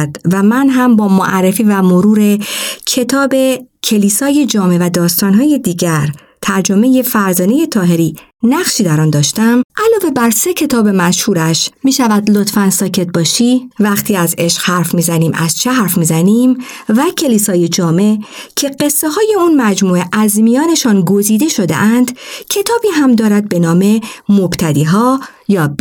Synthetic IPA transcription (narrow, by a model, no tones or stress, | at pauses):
d̪̥væmænɦæmbɒːmoʔærːe̞fiːvæmoɾuːɾe̞cʰe̞t̪ʰɒːbe̞cʰe̞liːsɒːje̞d͡ʒɒːme̞væd̪ɒːst̪ɒːnɦɒːje̞d̪iːɟæɾ | t̪ʰæɾd͡ʒome̞je̞fæɾzɒːne̞je̞t̪ʰɒːɦe̞ɾiː | næχʃiːd̪æɾɒːnd̪ɒːʃt̪æmʔælɒːve̞bæɾse̞cʰe̞t̪ʰɒːbe̞mæʃhuːɾæʃmiːʃævæd̪lo̞t̪fænsɒːcʰe̞t̪̚bɒːʃivæxt̪ʰiːæze̞ʃqhæɾfmiːzæniːmʔæz̥t͡ʃʰeɦæɾfmiːzæniːmvæcʰe̞liːsɒːje̞d͡ʒɒːme̞cʰe̞ɢe̞sːeɦɒːje̞unmæd͡ʒmuːeʔæzmijɒːne̞ʃɒːnɡo̞ziːd̪e̞ʃo̞d̪e̞̰ʔænd̪̥cʰe̞t̪ʰɒːbiːɦæmd̪ɒːɾæd̪̚be̞nɒːme̞mob̥t̪ʰæd̪iːɦɒː | jɒːb